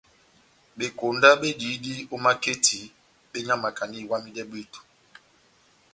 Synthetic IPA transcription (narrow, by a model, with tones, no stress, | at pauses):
ɓe˨ko˨nda˦ɓe˦d͡ʒi˨˦di˦o˦ma˦ke˦ti˨˦ | ɓe˦ɲa˦ma˨ka˨ni˦˨wa˦mi˦dɛ˦ɓe˦˨to̥˨